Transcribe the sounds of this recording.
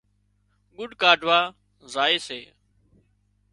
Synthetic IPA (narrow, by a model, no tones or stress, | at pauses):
ɠʊɖʱkaːɖʱʋaː | zaːeːseː